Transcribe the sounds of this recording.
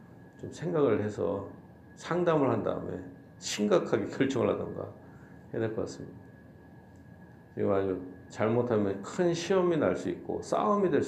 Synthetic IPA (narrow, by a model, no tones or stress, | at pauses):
t͡ɕomsʰe̞ŋɡaɡɯɭhe̞sʰʌ̰ | sʰaŋdamɯɭhanda̰ɯ̰mḛ | ɕʰiŋɡakʰaɡe̞kjʌɭt͡ɕ͈ʌŋɯɭhadʌnɡa̰ | he̞de̞ɭk͈ʌk͈a̰s͈ɯmɲida | t͡ɕeɡad͡ʑut͡ɕaɭmotʰamjʌnkʰɯnɕʰiʌminaɭs͈uik̚k͈o̰s͈a̰omidwe̞